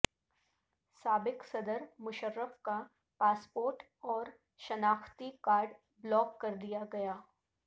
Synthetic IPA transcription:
saːbɪksɐd̪əɾmʊʃəɾːəfka | paːspoːɾʈ | ɔːɾ | ʃɐnaːxt̪ikaːɾɖ | blɔːkːɐɾd̪ijaɡɐjaː

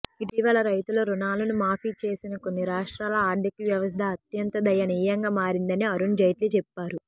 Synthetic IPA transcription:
iʈiːʋɐlɐɾɐjt̪uloːɾunaːlɐnumaːpiːt͡ʃe̞ːsinɐkonːiɾaːʂʈɾaːlɐaːd̪jɐkiʋjɐʋɐs̬t̪ʰɐːt̪jɐnt̪ɐd̪ɐjɐniːjɐŋɡaːmaːɾind̪ɐniɐɾuɳd͡ʒɐjʈlit͡ʃɛpːaːɾu

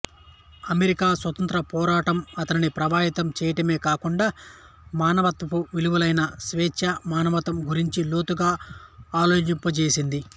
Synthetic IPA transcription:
ɐmeɾikaːsʋɐt̪ɐnt̪ɾɐpɔːɾaːʈɐmɐt̪ɐninipɾɐʋaːɦit̪ɐmt͡ʃɛːjɐʈɐme̞ːkaːkuɳɖaː | maːnɐʋɐt̪ːɐpuʋiluʋulɐjnɐsʋɛːʃɐmaːnɐʋɐt̪ɐmɡuɾiɲt͡ʃiloːt̪uɡaːaːloːt͡ʃimpːɐt͡ʃeːsind̪i

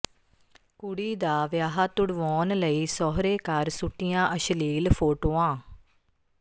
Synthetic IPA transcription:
kʊɽiːd̪aːʋjaːɦaːt̪ʊɽʋɔːnləiːsɔːɦɾeːkəɾsʊʈːijãːʔəʃəliːlpʰoːʈoːãː

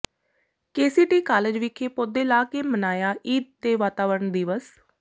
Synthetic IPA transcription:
keːsiːʈiːkaːləd͡ʒʋɪkʰːeːpod̪eːlaːkeːmənaːjaːʔiːt̪̚t̪eːʋaːt̪aːʋəɾɳd̪iːʋəs

